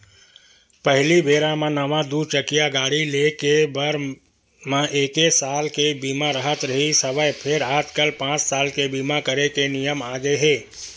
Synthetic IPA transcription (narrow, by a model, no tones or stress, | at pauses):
pəɦlibʱeːɾãmãnəʋãd̪uɾt͡ʃəkijaɡaːɽilekebəɾ | mãʔeːkesaːlkebiːmaɾəɦət̪ɾɐɦisəbəjpʰɪɾaːd͡ʒkəlpãːt͡ʃsaːlkebiːmakəɾekenijəmaːɡeɦẽː